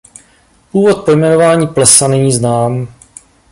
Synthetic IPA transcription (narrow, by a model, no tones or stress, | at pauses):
puːvo̞t̪̚po̞jmɛno̞vaːɲiːplɛsanɛɲiːznaːm